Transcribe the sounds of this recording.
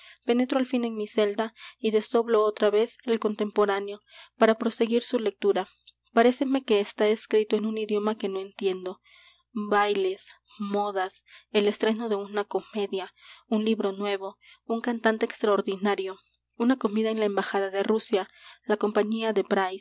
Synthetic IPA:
pe̞ne̞t̪ɾoalfine̞nmise̞ld̪aiðe̞zðo̞βlo̞o̞t̪ɾaβe̞se̞lko̞nt̪e̞mpo̞ɾanjo̞paɾapɾo̞se̞ɣiɾsule̞k̚t̪uɾa | paɾe̞se̞me̞ke̞ːst̪ae̞skɾit̪o̞enuniðjo̞make̞no̞e̞nt̪je̞nd̪o̞ | bajle̞s | mo̞ðase̞le̞st̪ɾe̞no̞ðe̞unako̞me̞ðjaunliβɾo̞nwe̞βo̞ | uŋkant̪ant̪eːkst̪ɾaoɾðinaɾjo̞ | unako̞miðaenlaembaxaðaðe̞rusjalako̞mpaɲiaðe̞pɾaj

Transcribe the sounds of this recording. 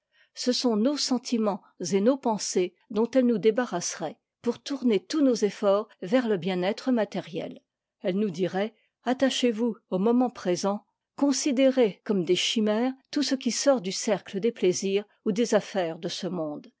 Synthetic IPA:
səsɔ̃nosɑ̃t̪ʰimɑ̃ | zenopɑ̃se | d̪ɔ̃t̪ɛlnud̪ebaʁasʁɛ | puʁt̪uʁnet̪unozefɔʁvɛʁləbjɛ̃nɛt̪χəmat̪ɛʁjɛ̰l | ɛlnud̪iʁɛ | at̪aʃevuomɔmɑ̃pχezɑ̃ | kɔ̃sid̪eʁekɔmd̪eʃimɛʁt̪usəkʲisɔʁd̪ysɛʁkləd̪epleziːʁ | ud̪ezafɛːʁd̪əsəmɔ̃d̪

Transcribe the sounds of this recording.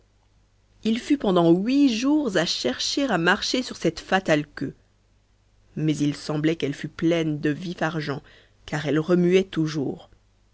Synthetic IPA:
ilfypɑ̃d̪ɑ̃ɥiʒuʁzaʃɛʁʃeʁamaʁʃesyʁsɛt̪fat̪alkø | mɛzilsɑ̃blɛkɛlfyplɛnd̪əvifaʁʒɑ̃ | kaʁɛlʁəmyɛt̪uʒṵːʁ

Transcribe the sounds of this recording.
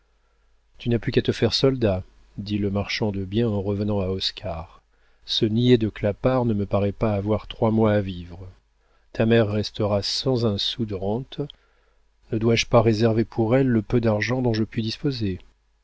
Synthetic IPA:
t̪ynaplykat̪əfɛʁsɔld̪a | d̪iləmaʁʃɑ̃d̪əbjɛ̃ɑ̃ʁəvənɑ̃aɔskʰaʁ | sənied̪əklapaʁnəməpaʁɛpaːvwaʁt̪χwamwaːvivʁə | t̪ʰamɛʁːɛst̪əʁasɑ̃zɛ̃sud̪əʁɑ̃t̪ | nəd̪waʒpaʁezɛʁvepʰuʁɛlːəpød̪aʁʒɑ̃d̪ɔ̃ʒəpɥid̪ispoze

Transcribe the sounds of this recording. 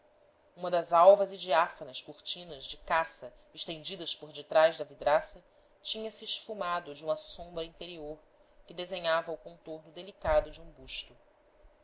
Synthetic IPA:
ũmɐd̪ɐzawvɐzid͡ʒiafɐnɐskuɾt͡ʃĩnɐzd͡ʒɪkasɐ | eʃt̪ẽnd͡ʒid̪ɐspoɾd͡ʒɪt̪ɾajʒd̪ɐvid̪ɾasɐ | t͡ʃĩɲɐsɪːʃfumad̪ʊd͡ʒɪũmɐsõmbɾɐĩnt̪eɾioɾ | kɪd̪ezẽɲavɐukõnt̪oɾnʊd̪elikad̪ʊd͡ʒɪũbuʃt̪u

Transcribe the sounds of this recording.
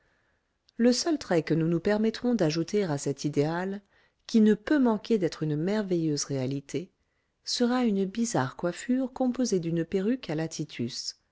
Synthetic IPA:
ləsœlt̪χɛkənunupɛʁmɛt̪χɔ̃d̪aʒut̪eʁasɛt̪ʰid̪eal | kʲinəpømɑ̃kʲed̪ɛt̪χynmɛʁvejøzʁealit̪ʰe | səʁaynəbizaʁkwafyʁkɔ̃pozed̪ynpeʁykalat̪ʰit̪ʰys

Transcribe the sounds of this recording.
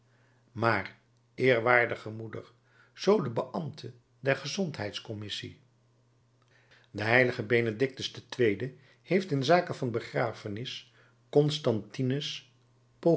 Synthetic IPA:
maːr | ʔɪːɹʋaːɹdəχəmudə̰ɹ | z̥owdəbəʔɑmtʰə | dɛɹχəzɔntɦɛjtskɔmɪsḭ | dəɦɛjləχəbenədɪk̚təstətʋejdə | hejftɪnzaːkəvɑnbəχraːfənɪs | kɔnstɑntinəs | po

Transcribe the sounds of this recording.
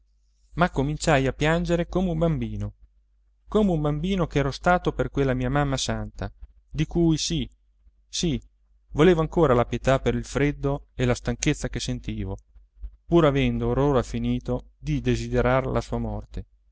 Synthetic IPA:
makːomint͡ʃajapːjand͡ʒeɾekoːmeumbambiːno | koːmeumbambiːnok̟ɛːɾost̪aːt̪operkwelːamiːamamːasant̪a | d̪ikujsi | si | voleːvoaŋkoːɾalapjet̪apeɾilfɾed̪ːoelast̪aŋket̪sːakesent̪iːvo | puːɾavɛnd̪oːroːɾafiniːt̪od̪id̪ezid̪eɾarlʔasuːamɔrt̪e

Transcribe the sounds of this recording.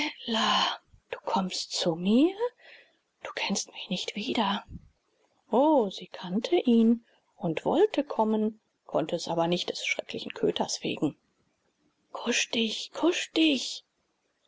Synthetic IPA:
ɛlad̥u̥ːkʰɔmstt͡sumiːɐ | d̥uːkʰɛnstmɪçnɪçtv̥iːdɐ | ʔoːziːkʰantʰəʔiːn | ʔʊntv̥ɔ̰ltʰəkʰɔmən | kʰɔ̰ntəɛsʔaːbɐnɪçt̚d̥ɛsʃʁ̥ɛklɪçn̩kʰøːtʰɐsv̥ḛːɡŋ̩ | kʰʊʃd̥ɪçkʰʊʃd̥ɪç

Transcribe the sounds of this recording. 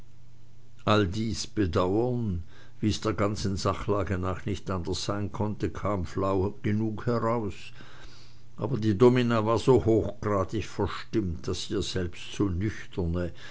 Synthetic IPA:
ʔaldiːsb̥ədaʊɐn | viːəsd̥eːɐɡant͡sn̩zaχlaːɡənaːχnɪçtʔandɐsz̥aɪnkʰɔntəkʰaːmflaʊɡ̥ənuːkhɛʁaʊs | ʔaːbɐdiːdominavaːɐzoːhoːxɡ̥ʁaːtɪçfɛɐʃtɪmtd̥asiːɐz̥ɛlpstz̥oːnʏçtʰɐnə

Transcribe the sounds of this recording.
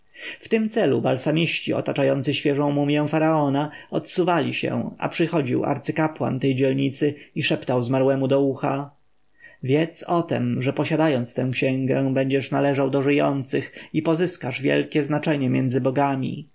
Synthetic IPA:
ft̪ɘmt̪sɛlubalsamʲiɕt͡ɕiɔ̰t̪at͡ʂajɔnt̪sɘɕfʲjɛʐɔ̃w̃mumʲjɛ̃w̃faɾaɔnaɔt̪suvalʲiɕɛ̰̃a̰pʂɘxɔd͡ʑiwa̰ɾt̪sɘkapwa̰nt̪ɛjd͡ʑɛlɲit̪sɘiʂɛpt̪awzmaɾwɛmud̪ɔuxa̰ | vʲjɛt̪sɔt̪ɛ̰mʐɛpɔɕad̪ajɔnt̪st̪ɛ̃w̃kɕɛ̃ŋɡɛ̃bɛɲd͡ʑɛʂnalɛʐawd̪ɔʐɘjɔnt̪sɘxipɔzɘskaʐvʲjɛ̰lkʲɛznat͡ʂɛɲɛmʲjɛnd̪zɘbɔɡamʲḭ

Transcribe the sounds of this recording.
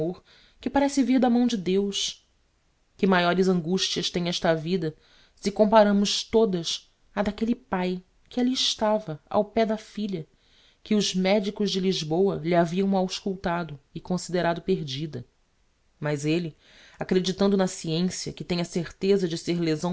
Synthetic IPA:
oɾ | kɪpaɾɛsɪviɾd̪ɐmɐ̃w̃d͡ʒɪd̪ewʃ | kɪmajɔɾɪzɐ̃ŋɡuʃt͡ʃiɐʃt̪ẽj̃ɛʃt̪ɐvid̪ɐ | sɪkõmpaɾɐ̃mʊʃt̪od̪ɐs | ɐd̪akelɪpaj | kɪaliɪʃt̪avɐa̰wpɛd̪ɐfiʎɐ | kɪʊzmɛd͡ʒikʊʒd͡ʒɪliʒbowɐliaviɐ̃w̃mawɪʃkuwt̪ad̪ʊɪkõsid̪eɾad̪ʊpeɾd͡ʒid̪ɐ | mɐzelɪ | akɾed͡ʒit̪ɐ̃nd̪ʊnɐsiẽsiɐkɪt̪ẽɲɐseɾt̪ezɐd͡ʒɪseɾlezɐ̃w̃

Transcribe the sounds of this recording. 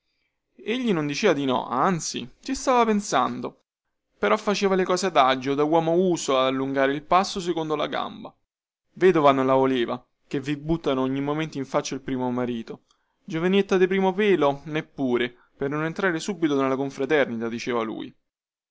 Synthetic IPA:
eʎːinond̪it͡ʃeːvad̪inɔ̰ʔant̪sḭsist̪aːvapensand̪o | peɾɔfːat͡ʃeːvalekɔːsed̪ad͡ʒːod̪awɔːmouːsoad̪alːuŋɡaːɾeilpasːosekond̪ola̰ɡa̰mba | veːd̪ovanonlavoleːva | k̟evibut̪ːanooɲːimːoment̪iɱfat͡ʃːailpɾiːmomaɾiːt̪o | d͡ʒovanet̪ːad̪ipɾiːmopeːlonepːuːɾe | pernonent̪ɾaːɾesubit̪onalːakoɱfɾat̪ɛrnit̪ad̪it͡ʃeːvalṵːj

